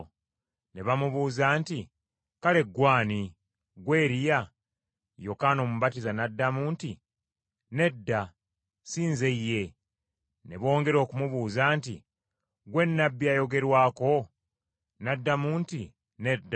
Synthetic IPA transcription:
neβamuβuːzaːnti | kale̞ɡwaːni | ɡwe̞ːɾija | jo̞kaːno̞muβatizanadːamuːnti | ne̞dːa | siːnzeije̞ | neβo̞ːŋɡe̞ɾo̞ːkumuβuːzaːntḭ | ɡwe̞nːabːjajo̞ɡe̞ɾwaːko̞ | nadːamuːnti | ne̞dː

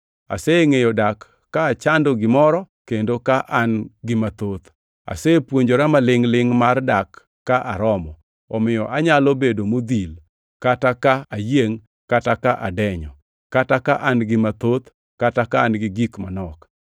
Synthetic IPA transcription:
a̰seŋejɔdakː | aːt͡ʃandoɡɪmɔɾɔ | kendokaʔanɡɪmat̪ot̪ | a̰sepwoɲd͡ʒoɾamalɪŋlɪŋmardakː | aʔaɾɔmɔ | ɔmɪjɔʔaɲalobedomod̪il | katakaajeŋ | katakaʔadɛɲɔ | katakaʔanɡɪmat̪ot̪ | katakaːnɡɪɡikmanɔk

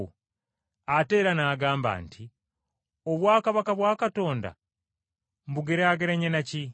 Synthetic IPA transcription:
ate̞ːɾanaːɡaːmba̰ntʰi | oβwaːkaβakaβwaːkato̞ːnda̰ | m̩buɡeɾeaɡeɾeɲenaci

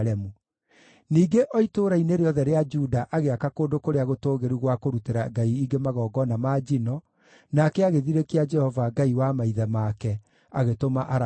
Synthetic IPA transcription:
ɾɛmu | niːɡeʔɔitoːɾaineɾeɔðɛɾead͡ʒudaʔaɣeakakoːdokoɾeaɣotoːɣeɾuɣwakoɾuteɾaɡaiːɡemaɣɔːɡɔnamaːd͡ʒinɔ | nakɛaɣeðiɾekiad͡ʒɛhɔvaɡaiwamaiðɛmakɛ | aɣetomaʔaɾ

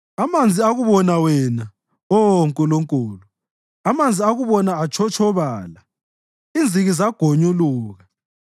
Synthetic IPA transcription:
amand͡zʱiaɣuβɔnawɛna | ɔŋkʼuluŋkʼuːlu | amand͡zʱiaɣuβɔnaːt͡ʃʰɔt͡ʃʰɔβaːla | ind͡zʱiɣizaɡ̥ʱoɲuluːɣa

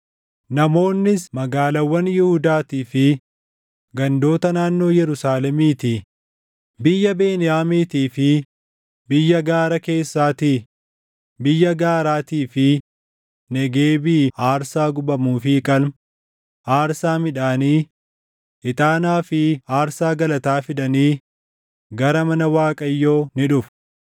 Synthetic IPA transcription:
nɐmo̞ːnːɪsmɐɡaːlɐwːɐnjɪhʊd̪aːt̪iːfɪ | ɡɐnd̪o̞ːt̪ɐnaːnːo̞ːjɛɾʊsaːlɛmiːt̪i | bɪjːɐbe̞ːnɪjaːmiːt̪iːfɪ | bɪjːɐɡaːɾɐke̞ːsːaːt̪iː | bɪjːɐɡaːɾaːt̪iːfɪ | nɛɡeːbiːaːɾsaːɡʊbɐmuːfɪkʼɐlm | ʔaːɾsaːmɪᶑaːniː | ʔɪt̪ʼaːnaːfɪaːɾsaːɡɐlɐt̪aːfɪᶑɐniː | ɡɐɾɐmɐnɐwaːkʼɐjːoːnɪᶑʊf

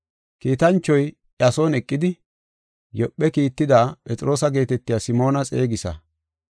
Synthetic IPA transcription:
kiːt̪ɐnt͡ʃːɔj | ɐso̞ːnɛkʼːɪd̪ɪ | jɔpʼːɛkiːt̪ːɪd̪aːpʼɛt͡sʼɪɾo̞ːsɐɡe̞ːt̪ɛt̪ːɪjasɪmo̞ːnɐt͡sʼe̞ːɡɪsɐ̰

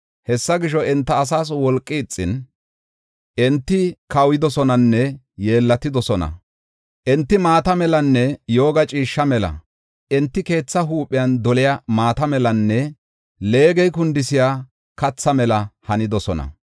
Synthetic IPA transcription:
hɛsːɐɡɪʃ̬ɔɛnt̪ːɐːs̬aːs̬wɔlkʼːɪːt͡sʼːɪn | ʔɛnt̪ːɪkɐwɪd̪ɔsɔnɐnːɛ | je̞ːlːɐt̪ːɪd̪ɔsɔnɐ̰ | ʔɛnt̪ːɪmaːt̪ɐmɛlɐnːɛjo̞ːɡɐt͡ʃʼiːʃːɐmɛlɐ̰ | ʔɛnt̪ːɪke̞ːt͡sːɐɦuːpʼːɪjɐnd̪ɔlɪjamaːt̪ɐmɛlɐnːɛ | le̞ːɡɛjkʊnd̪ɪsɪjaː | kɐt͡sːɐmɛlɐhɐnɪd̪ɔsɔnɐ̰

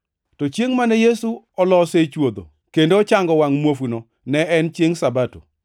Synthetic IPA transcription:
tɔt͡ʃjeŋmanɛjesu | ɔlɔset͡ʃwod̪o̰ | kendoɔt͡ʃaŋɡɔwaŋmwofuno | nɛɛnt͡ʃjeŋsabato̰

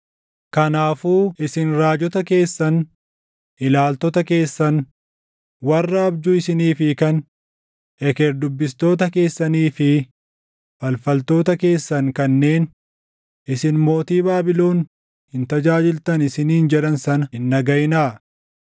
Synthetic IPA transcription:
kɐnaːfuːʔɪsɪnɾaːd͡ʒɔt̪ɐke̞ːsːɐn | ʔɪlaːlt̪ɔt̪ɐke̞ːsːɐn | wɐrːɐːbd͡ʒuɪsɪniːfɪkɐn | ɛkeɾd̪ʊbːɪst̪o̞ːt̪ɐke̞ːsːɐniːfɪ | fɐlfɐlt̪o̞ːt̪ɐke̞ːsːɐŋkɐnːe̞ːn | ʔɪsɪnmo̞ːt̪iːbaːbɪlo̞ːn | hɪnt̪ɐd͡ʒaːd͡ʒɪlt̪ɐnɪsɪniːnd͡ʒɛᶑɐnsɐnɐhɪnːɐɡɐjnaː

